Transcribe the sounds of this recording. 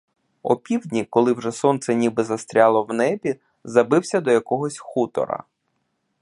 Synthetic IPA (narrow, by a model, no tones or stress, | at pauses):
ɔ̰pʲiwdʲnʲikɔlˠɪwʒɛsɔnt̪sɛnʲibɪzɐst̪ɾʲalˠɔwnɛbʲi | zɐbɪwsʲɐd̪ɔjɐkɔɦɔsʲxut̪ɔ̰ɾɐ̰